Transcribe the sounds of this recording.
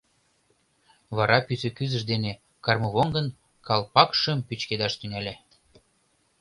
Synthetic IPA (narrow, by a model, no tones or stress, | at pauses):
βɑɾʔɑpysø̆kyzə̆ʃd̪ene | kɑrmɤ̆βoŋɡə̆n | kɑlpɑkʃə̆mpyt͡ɕked̪ɑʃt̪ynælʲæ